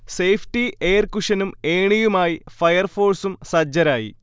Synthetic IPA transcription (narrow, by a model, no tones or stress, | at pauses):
sejfʰʈieːrkuʂɐnumeːɳijumaːjifɐjɐrfo̞ːrsumsɐd͡ʑːɐɾaːjḭ